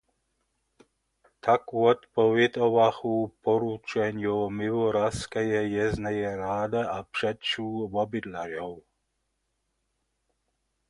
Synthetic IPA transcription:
t̪ʰakuɔt̪pɔʋɛt̪ɔʋaxuːpɔɾut͡ʃɛɲjomiʋɔɾaskɛjɛjɛznɛjɛɾaːd̪ɛʔapr̥ɛt̪t͡ʃuːʋɔbid̪laʒɔw

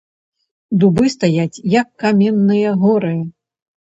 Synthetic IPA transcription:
d̪ubɨst̪ajat͡sʲjɐkːamʲɛnːɨjɐɣɔɾɨɐ

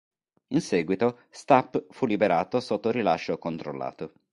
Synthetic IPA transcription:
insɛːɡwit̪o | st̪apːfulːibeɾaːt̪osot̪ːoɾilaʃːokont̪ɾo̰lːa̰ːt̪o

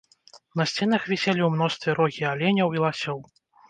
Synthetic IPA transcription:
nɐsʲt͡sʲɛn̪ɐxvʲɛsʲɛlʲiwmn̪ɔst̪vʲɛɾɔɣʲialʲɛnʲɐwilˠasʲɔw

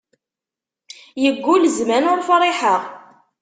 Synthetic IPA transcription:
jəɡʷːulzmænʊɾfrˤɪħəʁ

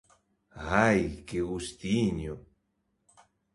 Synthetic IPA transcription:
ajkeɣust̪iɲo

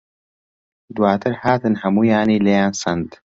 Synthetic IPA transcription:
d̪waːt̪ʰɨɾhaːt̪ɨnhɐmuːjaːniːlɐjaːnsɐnd̪

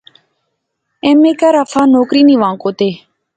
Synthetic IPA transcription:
ẽːmeːkaɾəfʰaːnoːkɾiːnĩːʋãːŋkoːt̪eː

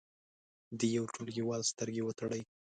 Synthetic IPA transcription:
d̪əjawʈulɡiwɑlst̪əɾɡewət̪aɽəj

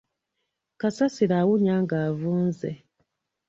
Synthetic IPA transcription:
kasasiɾaːwuɲaːŋɡaːvuːnzḛ

